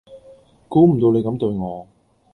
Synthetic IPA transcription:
kuː˨˥m̩˨˩t̪o˧wne˨˧jkɐ˨˧˥mt̪ɵ˧ɥŋɔː˨˧

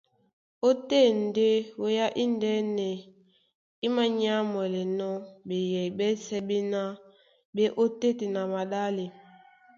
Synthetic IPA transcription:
o˦te˦˨n̩˨de˦wo˦ja˦ʔi˦ndɛ˦nɛ˨ | i˦ma˦ɲ˦a˦mɛ˨lɛ˨nɔ˦be˨jɛ˨bɛ˦sɛ˦bi˦na˦ | be˦ʔo˦te˦ti˨na˨ma˨da˦li˨

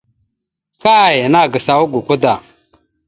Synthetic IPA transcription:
ka˦˨jə˨na˦˨ɡə˨sa˨wu˦ɡu˨ku˦da˨

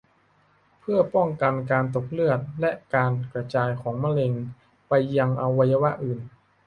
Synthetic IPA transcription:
pʰɯ˥˩ɐpɔ˥˩ŋka˧nkaː˧nt̪o˨˩k̚lɯ˥˩ət̪̚lɛ˦˥ʔkaː˧nkɾa˧t͡ɕaː˧jkʰɔː˩˦ŋma˥˧le˧ŋ | pa˧jːa˧ŋʔa˧wːa˧ja˧wa˦˥ʔɯː˨˩n

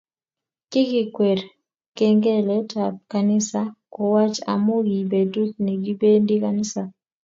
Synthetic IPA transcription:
ki˦ki˨kwɛ˨ɾ | kɛ˦ŋɡɛ˦lɛ˦tʰa˨p̚ka˨nɪ˦sa˦kɔ˨wa˦t͡ʃa̰˨mo˦ɡi˨be˨tu˦t̪̚nɛ˨ɡi˦be˦ndi˦ka˨nɪ˦sa˨

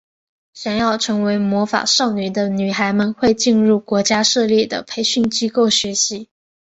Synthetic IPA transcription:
ɕjɑ˨˩njɑ˥˩ʊʈ͡ʂʰɤ˧˥ŋwe˧˥ɪmwɔ˧˥fa̰˨˩ʂɑ˥˩ʊny˨˩d̪ə˦ny˨˩xa˧˥ɪmə˧nxwe˥˧ɪt͡ɕi˥˧nɻu˥˩kwɔ˧˥t͡ɕja˥ʂɤ˥˧ljɛ˥˩d̪ə̰˩pʰe˧˥ɪɕy˥˩nt͡ɕi˥ko˥˩ʊɕɥɛ˧˥ɕi˧˥

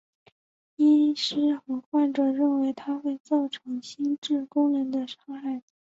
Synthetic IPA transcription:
i˥ʂɻ̩˥xɤ˧˥xwa˥˩nʈ͡ʂɤ˨˩ɻə˥˩nwe˧˥ɪt̪ʰa˥xwe˥˧ɪt͡sɑ˥˩ʊʈ͡ʂʰɤ˧˥ŋɕi˥nʈ͡ʂɻ̩˥˩kʊ˥ŋɻə˧˥nd̪ə˧ʂɑ˥ŋxa˥˩ɪ

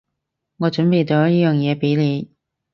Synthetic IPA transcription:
ŋɔː˨˧t͡ʃɵ˨˥npe˨jt̪o˨˥jiː˥jœː˨ŋjɛː˨˧pe˨˥jleː˨˧j

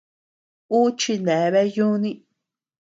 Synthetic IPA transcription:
u˦t͡ʃi˧nẽ˨˦˧βe˦jũ˦nĩ˦

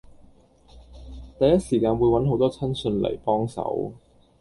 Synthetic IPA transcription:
t̪ɐ˨jɐ˥t̚siː˨˩kaː˧nwuː˨˧jwɐ˨˥nɦo˨˥wt̪ɔː˥t͡sʰɐ˥nsɵ˧nlḛ˨˩jpɔː˥ŋsɐ̰˨˥w

